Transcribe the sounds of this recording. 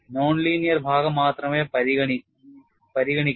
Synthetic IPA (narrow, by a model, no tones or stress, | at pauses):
noːnliːnijɐrbʱaːɡɐmːaːt̪rɐmeːpɐɾiɐ | pɐɾiɣɐɳikʲː